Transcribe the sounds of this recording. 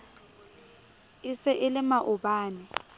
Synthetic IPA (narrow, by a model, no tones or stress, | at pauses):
ɪsɛʔɪlɪmaʔʊbaːnɪ